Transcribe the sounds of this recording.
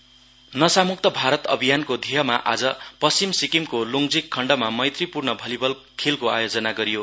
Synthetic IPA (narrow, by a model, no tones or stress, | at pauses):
nʌsamuk̚t̪ʌbʱaɾʌt̪ʌbʱijankod̪ʱiɦʌmaʔa̰d͡zʌpʌsimsikimkoluŋd͡zikʰːʌɳɖʌmamʌjt̪ripurnʌbʱʌlibʌl | kʰelkoa̰jod͡zʌnaɡʌɾijo